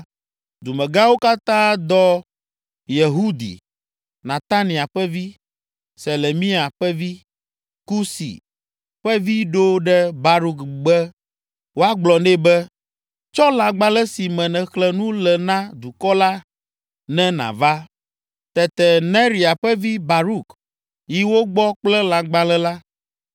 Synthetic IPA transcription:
d̪u˨mɛ̃˨ɡã˦wo˦ka˦t̪ã˦d̪ɔ˦ | je˨ɦu˦d̪ḭ˨ | nã˨t̪a˦nĩ˨a˨ɸɛ˦vi˦ | se˨le˨mĩ˦a˨ɸɛ˦vi˦ | ku˦sḭ˨ | ɸɛ˦vi˦ɖo˦ɖɛ˦ba˦ɾu˦kɡ͡bɛ˦ | wo˦a˦ɡ͡blɔ˨nɛ˦bɛ˦ | t͡ʃɔ˦lã˨ɡ͡ba˦lɛ˦si˨mɛ̃˨nɛ̃˨xlɛ˦˨nũ˦lɛ˨nã˦d̪u˨kɔ˦la˦ | nɛ̃˦nã̰˨va˦ | t̪ɛ˨t̪ɛ˨nɛ̃˦ɾi˨a˨ɸɛ˦vi˦ba˨ɾu˦k | ji˦wo˦ɡ͡bɔ˦k͡plɛ˦lã˨ɡ͡ba˨lɛ˦la˦

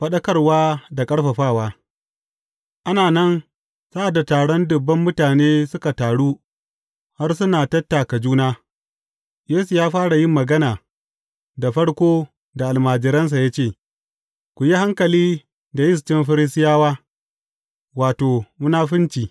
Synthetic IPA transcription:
ɸɐ˦ɗɐ˦kɐ˦rwaː˦da˨kʼɐ˦ɽɸɐ˨ɸaː˦˨waː˦ | ʔa˦naː˨nɐ˦n | sa˦ʔa˨dːa˨taː˨ɽɔ˦ndʊ˨bːɐ˦mːʊ˦taː˨neː˦sʊ˦ka˨taː˨ɽuː˦ | ha˦rsʊ˦naː˨tɐ˦tːa˨ka˨d͡ʒuː˦naː˦ | jeː˦su˨jaː˦ɸaː˦ɽa˨jɪ˦mːɐ˨ɡɐ˦naː˨ | da˨ɸɐ˦ɽkʷoː˦ | da˨ʔa˨lmaː˨d͡ʒɪ˨ɾɐ˦ns̬a˨ja˦t͡ʃeː˦˨ | kʷu˨ji˦ha˦ŋkɐ˨liː˦ | da˨jɪ˦s̬t͡ʃɪ˦mɸɐ˦ɾɪ˦s̬ɪ˦jaː˦waː˦ | waː˨toː˨mʊ˦naː˦ɸɪ˦nt͡ʃiː˨

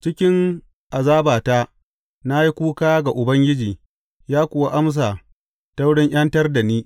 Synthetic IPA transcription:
t͡ʃɪ˦kʲɪ˦ŋ | ʔa˨zaː˦baː˨ta˦ | na˦ji˦kʷuː˦kaː˦ɡa˨ʔʊ˨bɐ˦ŋɡʲɪ˦d͡ʒiː˨ | jaː˦kʷʊ˨wa˦ʔa˦ms̬aː˨ | ta˦wɽɪ˦ŋʔj̰ɐ˦ntɐ˦rda˨niː˦

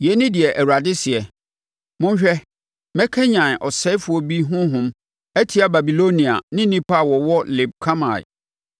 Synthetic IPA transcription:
jɛ˨˦nɪ̃˦dɪ˨ɛ˨ʔæ˨wa˨dɪ˦sɪ˨ɛ˨ | mʊ̃˦ɲ˦ɕᶣɛ˦ | mɛ˦kʰɛ˦ɲã˨n˨ʔɔ˨sɛ˦fʊ˦ɔ˦bi˦ɦʊ̃˦ɦʊ̃˦m | æ˦tʰi˨˦a˨ba˨bi˨lo˦nĩ˨a̰˨nɪ̃˦nĩ˦pʰa˦a˨wɔ˨wɔ˦lɪ˨b̚kʰa˦ma̰˨

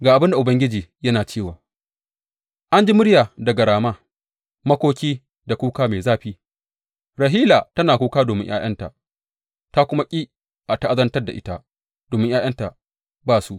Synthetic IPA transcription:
ɡaː˨ʔa˨bɪ˦nda˨ʔʊ˨bɐ˦ŋɡʲɪ˦d͡ʒiː˨jɐ˦naː˨t͡ʃeː˦˨waː˨ | ʔa˦nd͡ʒi˦mʊ˦ɽjaː˨dɐ˨ɡɐ˨ɽaː˨maː˦ | mɐ˦kʷoː˦kʲiː˦ | da˨kʷuː˦kaː˦meː˨zaː˦ɸiː˦ | ɾɐ˨ɦiː˦laː˨tɐ˦naː˨kʷuː˦kaː˦doː˨mɪ̰˦ŋjʔa̰ː˦j̰ɐ̰˦nta̰˨ | ta˦kʷʊ˦ma˦kʲʼi˦ | ʔa˨ta˦ʔa˦zɐ˦ntɐ˦rda̰˨ʔɪ˦ta˦ | d̥oː˨mɪ˦ŋʔjaː˦j̰ɐ˦nta˨ | baː˦˨su˦ʔ

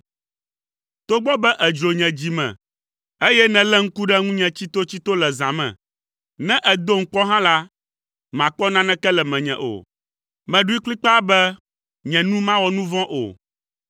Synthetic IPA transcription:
t̪o˦ɡ͡bɔ˦bɛ˦ʔɛ˨d͡ʒo˨ɲɛ̃˨d͡ʑi˨mɛ̰̃˨ | e˦jɛ˦nɛ̃˨lɛ˦ŋ̩˦ku˦ɖɛ˦ŋũ˦ɲɛ̃˨t͡ɕi˦t̪o˦t͡ɕi˦t̪o˦lɛ˨zã˨mɛ̰̃˨ | nɛ̃˦ʔɛ˨d̪o˦ŋ̩˨˦k͡pɔ˦ɦã˦la˦ | mã˨k͡pɔ˦nã˦nɛ̃˦kɛ˦lɛ˨mɛ̃˨ɲɛ̰̃˨ʔo̰˨ | mɛ̃˨ɖu˦i˦k͡pli˦k͡pa˦bɛ˦ | ɲɛ̃˨nũ˦mã˦wɔ˦nũ˦vɔ̃˦ʔo̰˨

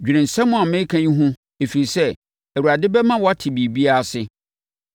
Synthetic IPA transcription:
d͡ʑᶣi˨ɾɪ̃˨n̩˨sɛ̃˦mʊ̃˦a˨mɪ̃˦kʰã˦ɲĩ˦ɦʊ̃˦ | e˨fi˨i˨sɛ˦ | æ˨wu˨a˨dɪ˦bɛ˦mã˦wɔ˦a˦tʰɪ˨bi˨bi˦a˦a˨sɪ˦

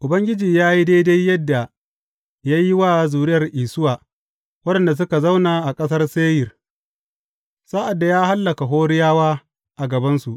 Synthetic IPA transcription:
ʔʊ˨bɐ˦ŋɡʲɪ˦d͡ʒiː˨jaː˦ji˦da˦jda˦jːɐ˦dːa˨ | jaː˦jːi˦wa˦˨zuː˨ɾɪ˦jɐ˨rʔiː˨sʊ˦waː˨ | wɐ˦dɐ˨nda˨s̬ʊ˦ka˨za˦wnaː˨ʔa˨kʼɐ˦sɐ˦rseː˦jɪ˨r | sa˦ʔa˨dːa˨jaː˦ha˦lːɐ˨ka˨ɦoː˦ɾɪ˦jaː˦waː˦ | ʔa˨ɡɐ˨bɐ˦nsu˨ʔ

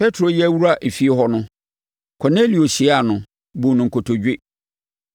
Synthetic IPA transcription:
pʰɛ˦tʰɾo˨jɛ˦æ˦wu˦ɾa˦ʔe˨fi˨˦e˦ɦɔ˦nʊ̃˦ | kʰɔ˨ne˦li˨o˨ɕi˨˦a˨nʊ̃˨ | bũ˨nʊ̃˨ŋ˨kʰo˨tʰo˨d͡ʑᶣe˦

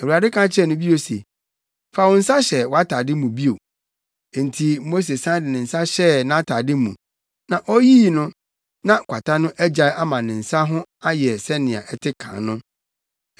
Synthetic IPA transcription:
æ˨u˨a˨dɪ˦kʰã˦t͡ɕʰɪ˦ɛ˦˨nʊ̃˦bi˦o˨se˨ | fa˨wɔ̃˨n̩˦sa˦ɕɛ˨wɔ˨˦a˦tʰa˨dɪ˦mũ˨bi˦o˨ | e˨n̩˨tʰi˨mo˦s̬e˨sã˦dɪ˨nɪ̃˨n̩˨sa˦ɕɛ˦nã˨˦a˦tʰaː˨dɪ˦mṵ̃˨ | nã˨ʔɔ˦jiː˦˨nʊ̃˦ | nã˦kʷʰa˨tʰa˦nʊ̃˦ʔæ˦d͡ʑa˨˦ʔa˦mã˨nɪ̃˨n̩˨sa˦ɦʊ̃˦a˦jɛ˨sɛ˦nɪ̃˨a̰˨ʔɛ˦tʰɪ˦kʰã̰˨nnʊ̃˦

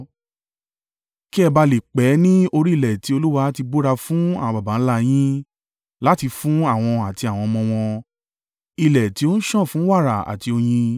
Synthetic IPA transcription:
ki˦ɛ˦˧ba˧le˨k͡pɛ˨˦nĩ˦o˧ɾi˦i˦˨lɛ˨ti˨˦o˧lu˦wa˧˦ti˧bo˦ɾa˧fũ˦a̰˦˨w̃ɔ̃˧ba˨ba˨˦n̩˦la˧j̃ĩ˦ | la˦ti˧fũ˦a˦˨w̃ɔ̃˧a˨ti˧a˨w̃ɔ̃˧mɔ̃˧w̃ɔ̃˧ | i˧˨lɛ˨ti˦o˦n̩˦ʃɔ̃˦˨fũ˨˦wa˦˨ɾa˨a̰˨ti˧o˧j̃ĩ˧

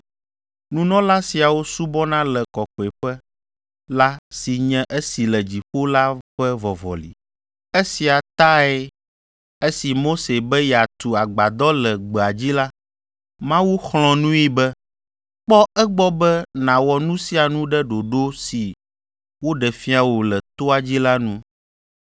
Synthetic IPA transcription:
nũ˦nɔ̃˦la˦si˨a˨wo˦su˦bɔ˦nã˦lɛ˨kɔ˨kɔ˨ɛ˨ɸɛ˦ | la˦si˨ɲɛ̃˦ʔe˦si˨lɛ˨d͡ʑi˨ɸo˦la˦ɸɛ˦vɔ˨vɔ̰˨lḭ˨ | e˦si˨a˨t̪a˦ɛ˦ | e˦si˨mo˦se˨bɛ˦jɛ˨a˨t̪u˨a˨ɡ͡ba˨d̪ɔ˦lɛ˨ɡ͡bɛ˨a˨d͡ʑi˦la˦ | mã˦wu˦xlɔ̃˨nũ˦ji˦bɛ˦ | k͡pɔ˦ɛ˦ɡ͡bɔ˦bɛ˦nã˨wɔ˨nũ˦si˦a˨nũ˦ɖɛ˦ɖo˨ɖo˦si˨ | wo˦ɖɛ˨fi˦a˨wo˨lɛ˨t̪o˦a˨d͡ʑi˦la˦nũ˦

